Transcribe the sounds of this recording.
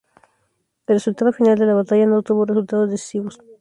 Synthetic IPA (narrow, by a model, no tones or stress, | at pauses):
elresult̪aðofinald̪elaβ̞at̪aʝanot̪uβoresult̪aðozðesi̥siβos